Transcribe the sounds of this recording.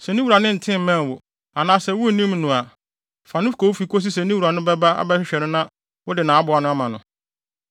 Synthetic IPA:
sɛ˨nĩ˦wu˨ɾa˨nɪ̃˦n̩˨tʰɪ̃˦˨m˨mɛ̃˦˨wʊ˨ | a˨nãː˨˦sɛ˨wʊ˦˨nĩ˦m˦nʊ̃˨a˨ | fa˨nʊ̃˦fkʰo˨wfi˨ko˦s̬i˦s̬ɛ˨nĩ˦wu˨ɾa˨nʊ̃˦bɛ˦ba˦a̰˨bɛ˦ɕᶣɪ˦ɕᶣɛ˨ɾɪ̃˦nã˦ | wʊ˦dɪ˨nãː˨a˦bʊ˨a˨nʊ̃˦a˦mã˨nʊ̃˨

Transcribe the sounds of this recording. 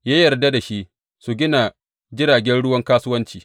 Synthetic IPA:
jaː˦jɐ˨rda˦da˨ʃi˦ʔ | su˨ɡʲɪ˦na˨ | d͡ʒɪ˦ɽaː˨ɡʲɛ˦nɽʊ˦wɐ˦ŋkaː˦sʊ˦wɐ˦nt͡ʃiː˨

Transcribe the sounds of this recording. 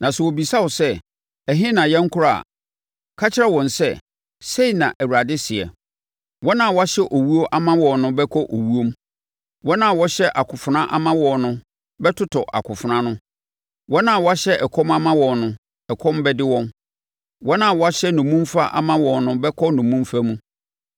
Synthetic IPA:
nã˨sɛ˨wo˨bi˨sa˦wɔ˨sɛ˦ | ɛ˨ɦɪ̃˦nã˨jɛ˦ŋ̩˦kʰʊ˦ɾa˦˨a̰˨ | kʰa˦t͡ɕʰɪ˦ɾɛ˦wɔ̃˨nsɛ˦ | se˦i˨nã̰˨ʔæ˨wu˨ɾa˨dɪ˦sɪ˨ɛ̰˨ | wɔ̃˦nã˦˨wɔ˦a˦ɕɛ˦ʔo˨wu˦o˦ʔa˦mã˦wɔ̃˨nʊ̃˦bɛ˦kʰɔ˦ʔo˨wu˦o˦m | wɔ̃˦nã˨wɔ˦ɕɛ˦ʔa˨kʰʊ˨fʊ˨nã˦ʔa˦mã˦wɔ̃˨nʊ̃˦ | bɛ˦tʰʊ˦tʰɔ˨ʔa̰˨kʰʊ˨fʊ˨nã˦nʊ̃˦ | wɔ̃˦nã˨wɔ˦a˦ɕɛ˦ʔɛ˨kʰɔ˦ma˦mã˦wɔ̃˨nnʊ̃˦ | ɛ˨kʰɔ̃˦mbɛ˦dɪ˦wɔ̃˦m | wɔ̃˦nã˨wɔ˦a˦ɕɛ˦nʊ̃˨mũ˦mfa˦ʔa̰˦mã˦wɔ̃˨nnʊ̃˦bɛ˦kʰɔ˦nʊ̃˨mũ˦mfa˦mũ˦

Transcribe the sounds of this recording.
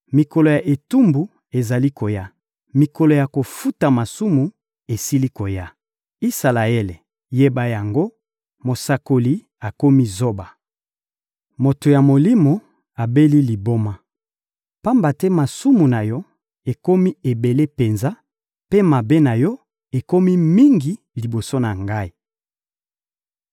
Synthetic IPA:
mi˨kɔ˨lo˨ja˨ʔe˨tu˦mbu˨ | e˨za˨li˦kʰo˨ja˦ | mi˨kɔ˨lo˨ja˨ko˨fu˦ta˨ma˨su˦mu˨ | e˨si˦li˦ko˨ja˦ | i˦sa˨la˨e˦le˨ | je˦ba˦ja˨ŋɡo˦ | mo˨sa˨ko˨li˦ | a˨ko˦mi˦zo˦ba˨ | mo˨to˨ja˨mo˨li˦mo˨ | a˨be˦li˦li˨bo˦ma˦ | pa˦mba˨tɛ˦ma˨su˦mu˨na˨jɔ˦ | e˨ko˦mi˦e˨be˨le˦pe˨nza˦ | pe˦ma˨be˦na˨jɔ˦ | e˨ko˦mi˦mi˦ŋɡi˦ | li˨bo˨so˦na˨ŋɡa˦i˦

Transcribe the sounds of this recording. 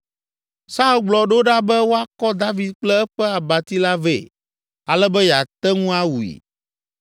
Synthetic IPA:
sa˦u˦ɡ͡blɔ˨ɖo˦ɖa˦bɛ˦wo˦a˦kɔ˦d̪a˦vi˨d̪̚k͡plɛ˦ɛ˦ɸɛ˦a˨ba˨t̪i˦la˦ve˨ | a˨lɛ˦bɛ˦ja˨t̪ɛ˦ŋũ˦a˦wu˨ḭ˨

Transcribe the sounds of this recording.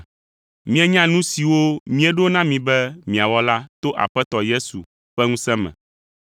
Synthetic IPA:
mĩ˦e˦ɲã˦nũ˦si˨wo˦mĩ˦e˦ɖo˦nã˦mĩ˨bɛ˦mĩ˨a˨wɔ˦la˦t̪o˦ʔa̰˨ɸɛ˦t̪ɔ˨je˦sṵ˨ | ɸɛ˦ŋũ˦sɛ̃˦mɛ̰̃˨

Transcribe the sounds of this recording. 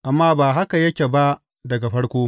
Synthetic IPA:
ʔa˨mːaː˦baː˨ɦa˦ka˨jɐ˦kʲe˨ba˦ʔ | dɐ˨ɡa˨ɸɐ˦ɽkʷoː˦

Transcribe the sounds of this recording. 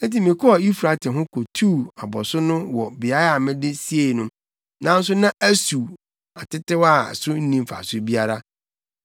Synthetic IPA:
n˦ti˨mɪ̃˨kʰɔ˦a˨i˦fɾa˨tʰɪ˨ɦʊ̃˦kʰo˨tʰu˦˨a˨bɔ˨sʊ˦nʊ̃˦wɔ˨bɪ˨a˦ɾa˦˨mɪ̃˦dɪ˦si˦e˨nʊ̃˦m | nã˦n̩˦s̬ʊ˦nã˦ʔæ˦su˨ | a˨tɪ˦tɪ˦wa˦˨sʊ˦n̩˦nĩ˦m˦fa̰˨sʊ˦bi˦a˦ɾa˦

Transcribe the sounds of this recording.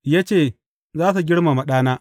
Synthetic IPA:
ja˦t͡ʃeː˦˨ | zaː˦s̬u˨ɡʲɪ˦ɽma˨ma˨ɗaː˦naː˦

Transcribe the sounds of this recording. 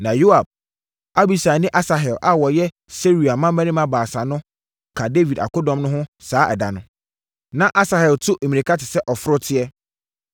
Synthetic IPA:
nã˨jo˦a˨b̚ | a˦bi˨sa˨nɪ̃˦ʔa˦sa˨ɦɛ˨lʔa˦wɔ˨jɛ˦ | se˦ɾu˨a˨mã˦mæ̃˦nĩ˦mã˦baː˨sa˨nʊ̃˦ | kʰa˨de˦vi˨da̰˨ko˦dɔ̃˨mnʊ̃˦ɦʊ̃˦saː˨˦ʔɛ̰˨da˨nʊ̃˦ | nã˦ʔa˦sa˨hɛ˨ltʰʊ˦ʔe˨mĩ˨nĩ˨kʰa˦tʰɪ˨sɛ˦ʔɔ˨fʊ˦ɾʊ˦tʰɪ˦ɛ˦

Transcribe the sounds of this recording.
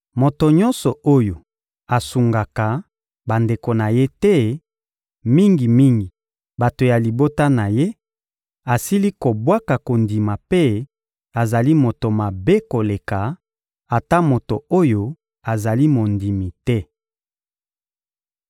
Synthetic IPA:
mo˨to˨ɲɔ̃˦nsɔ˨o˦jo˨ | a˨su˨ŋɡa˨ka˨ | ba˨nde˨ko˨na˨je˦tɛ˦ | mi˦ŋɡi˨mi˦ŋɡi˨ | ba˨to˨ja˨li˨bo˦ta˦na˨je˦ | a˨si˦li˦ko˨bwa˦ka˨ko˨ndi˨ma˨pe˦ | a˨za˨li˦mo˨to˨ma˨be˦ko˨le˨ka˨ | a˨ta˦mo˨to˨o˦jo˦ | a˨za˨li˦mo˨ndi˨mi˨tɛ˦

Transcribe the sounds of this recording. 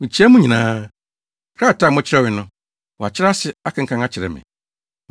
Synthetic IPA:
mĩ˨t͡ɕʰi˦ɛ˦mʊ̃˦ɲĩ˨nãː˨˦ | kʰɾa˦˨ta˨mʊ̃˦t͡ɕʰɪ˦ɾɛ˦wɪ˨nʊ̃˦ | wa˨t͡ɕʰɪ˦ɾa˦sɪ˨a˦kʰã˨ŋ̩˨kʰã˦ŋa˦t͡ɕʰɪ˨ɾɛ̰˨mɪ̰̃˨

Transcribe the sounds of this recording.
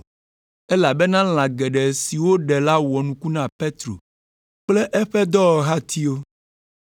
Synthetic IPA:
e˦la˨bɛ˦nã˦l̃ã˨ɡɛ˨ɖɛ˨si˨wo˦ɖɛ˨la˦wɔ˨nũ˨ku˦nã˦˨pe˦t̪ɾo̰˨ | k͡ple˦ʔɛ˦ɸɛ˦d̪ɔ˦wɔ˨ɦa˦t̪ʰi˦o˦

